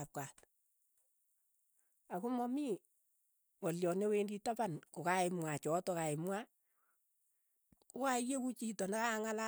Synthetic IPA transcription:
ap̚kat | akumɔmi | ŋɔljɔnewenditapankokaɪmwat͡ʃɔtɔkaɪmwa | kuajekut͡ʃitɔnakaŋala

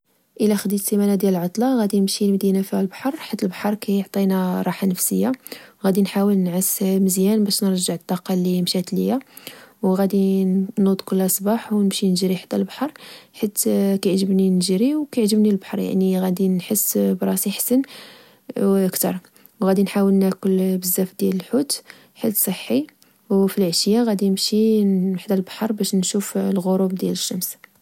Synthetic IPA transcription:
ʔəlæxəd̪isimænad̪jæləlʕɑt̪ˤlɑɣæd̪inəmʃilmd̪inafihælbaħɑɾˤħat̪ːəlbaħɑɾˤkæjoʕt̪ˤinæɾˤɑħanəfsəjːaɣæd̪inħawəlnʕəsməzjænbæʃnəɾˤʒəʕt̪ˤːɑqɑlːimʃæt̪lə̰jæwɣæd̪inud̪ˤkʊlːæsˤbɑħwnəmʃinʒɾiħḁt̪ːælbaħɑɾˤħat̪ːkæjʕʒəbninʒɾiwkæʕʒəbnilbɑħɑɾˤja̰ʕniɣæd̪inħəsːbɾˤɑsiħsən | ʔəkt̪ɑɾˤ | wɣæd̪inħawəlnækʊlbəzːæfd̪jæləlħut̪ | ħəsˤəħːi | wfilʕaʃjaɣæd̪inəmʃiħd̪ælbɑ̥ħɑɾˤbæʃnʃuflɣoɾˤubd̪jæləʃːəms

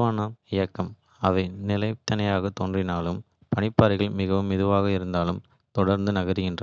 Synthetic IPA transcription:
ʋaːnɐɪjɐkːɐm | ɐʋɐɪnɪlɐɪt̪ːɐnɐjaːɣɐt̪ːɔndrɪnaːlɯm | pɐɳɪpːaːɾɪɣɐɭmɪɣɐʋɯmɪðɯʋaːɣɐɪɾɯnd̪aːlɯm | t̪ɔɽɐɾnd̪ɯnɐɣɐɾɯɣɪndrɐ

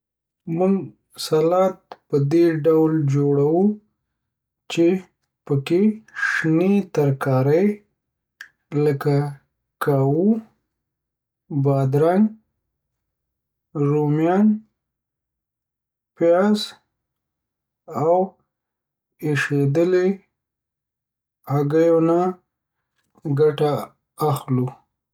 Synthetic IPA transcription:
muŋɡ | salɑt̪̚pəd̪eɖawld͡ʒoɽawu | t͡ʃe | pəkeʂnet̪aɾkɑɾəj | ləka | kawu | bɑd̪ɾaŋ | ɾomjɑn | pjɑz | aw | eʃed̪əle | aɡajona | ɡaʈaː | xlu

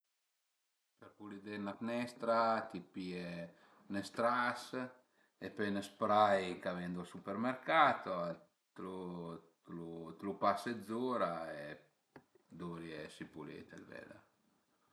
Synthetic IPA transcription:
peɾpulid̪enaknɛst̪ɾat̪ipie | nest̪ɾas | epɛnəspɾajkavɛnd̪oasupeɾmeɾkat̪oa | t̪ɾut̪lut̪ɾupased̪zuɾae | d̪uɾjesipulḛt̪ḛlvɛ̰la̰

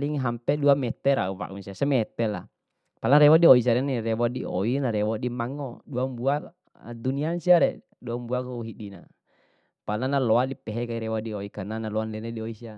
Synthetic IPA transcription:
liŋɦampɛduamɛt̪ɛɾa̰uwa̰ʔṵnsiasɛmɛt̪ɛla̰ | palaɾɛwadiois̬aɾɛniɾɛwɔdiɔ̰inaɾɛwɔdimaŋɔduambua̰ | duniansiaɾɛ | duaumbuakɔuɦiɗina̰ | palanalɔadipɛɦɛkaiɾɛwadioikananalɔanlɛnɛdioisia

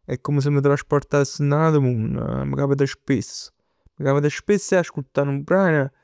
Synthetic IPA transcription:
ɛkːoməs̬əmːət̪ɾaʃpɔɾt̪asːənaðəmun̰məkapət̪əʃpis | məkapət̪əʃpesːɛaʃkut̪ːanupɾanə

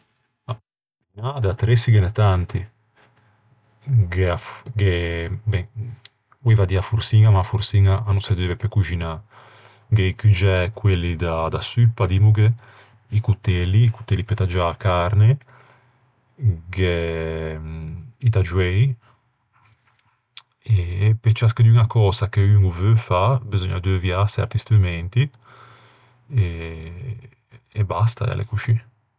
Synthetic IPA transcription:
a | ud͡ʒinad̪at̪ːɾesiɡenɛt̪ant̪i | ɡeaɡebɛ | wevad̪iafuɾsiŋamaːfuɾsiŋaanusɛd̪evɛpekud͡ʒina | ɡeikyd͡ʒɛkwelːid̪ad̪asypːad̪imuɡe | ikut̪ːelːiːku̥t̪ːelipet̪ad͡ʒaːkaɾne | ɡe | it̪ad͡ʒwɛj | epet͡ʃaskəd̪iunakɔːzakeyŋuvøfabizoɲːad̪øvjasɛ̰ɾt̪ist̪ɾumɛnt̪i | e | ebast̪a̰a̰lʔḛkuʃine

